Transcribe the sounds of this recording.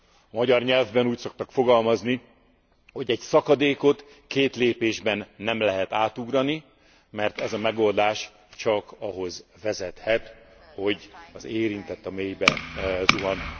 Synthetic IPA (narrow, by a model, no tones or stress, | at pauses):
ɒmɒɟɒrɲɛlvbɛnuːcso̞k̚t̪ɒkfo̞ɡɒlmɒzni | hoɟɛcsɒkɒd̪eːko̞t̪ | keːt̪leːpeːʒbɛnːɛmlɛɦɛt̪aːt̪uɡrɒni | mɛrt̪ɛzɒmɛɡo̞ld̪aːʃ | t͡ʃɒkɒɦo̞zvɛzɛt̪hɛt̪ | ho̞ɟɒzeːɾint̪ɛt̪ːɒmeːjbɛzuɒn